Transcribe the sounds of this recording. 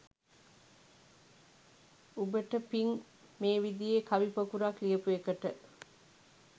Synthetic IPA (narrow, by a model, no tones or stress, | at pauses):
ubəʈəpiŋ | meːʋid̪ijeːkʰɐʋipɐkuɾakliəpuekəʈə